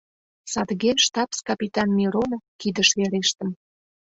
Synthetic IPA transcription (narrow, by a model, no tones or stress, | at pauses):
sɑd̪ɣeʃt̪ɑpskɑpʲit̪ɑnmʲiɾonofkid̪əʃβeɾeʃt̪ə̆m